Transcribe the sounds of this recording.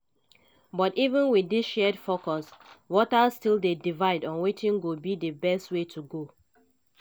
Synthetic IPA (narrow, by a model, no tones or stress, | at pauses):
bɔtivə̃nwidisʃɛdfokɔswɔtazstilˠdedivaɪdɔ̃nwetĩŋɡobidəbɛstwetʰuɡo